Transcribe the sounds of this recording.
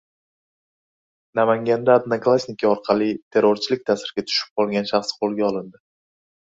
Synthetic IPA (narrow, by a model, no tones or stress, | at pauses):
namaŋɡʲand̪aːd̪naklˠasʲnɪkʲiɒɾqʰɑlˠit̪ʰe̞ɾoɾt͡ʃʰɪlɪkʲt̪ʰasɪɾɡʲat̪ʰʊ̥ʃɪp̚qʰɒlˠɡʲanʃaχsqʰolˠɡʲaɒlˠɪnd̪ɪ